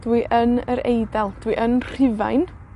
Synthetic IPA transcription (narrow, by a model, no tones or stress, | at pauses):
d̥wiʔənəɾejdɛlˠd̥wiʔənr̥ɪva̰jn